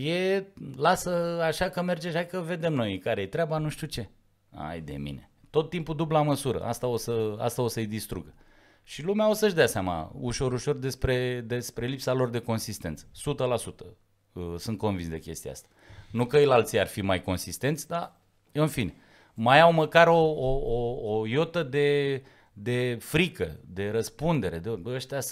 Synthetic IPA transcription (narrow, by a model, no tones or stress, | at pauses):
je̞lasəaʃakəme̞rd͡ʒeʃajkəve̞d̪e̞mno̞jkaɾejet̪ɾeabanuʃt̪ut͡ʃe̞ | a̰jd̪e̞̰mḭne̞̰t̪o̞t̪ːimpud̪ublaməsuɾə̰ʔa̰st̪ao̞səa̰st̪ao̞səjd̪ist̪ɾṵɡə | ʃilumeao̞səʒd̪easeama̰uʃo̞ɾuʃo̞rd̪e̞spɾe̞d̪e̞spɾe̞lipsalo̞rd̪e̞ko̞nsist̪e̞nt̪sə̥sut̪əlasut̪ə | əsɨnt̪̚ko̞nvinsd̪e̞̰kʲe̞st̪ia̰st̪ḁnukəjlalt̪sijarfimajko̞nsist̪e̞nt̪sʲd̪a | jeɨnfine | majawməkaɾo̞ːjo̞t̪əd̪e̞ | d̪e̞fɾikəd̪e̞ɾəspund̪e̞ɾe̞d̪eəʃt̪eas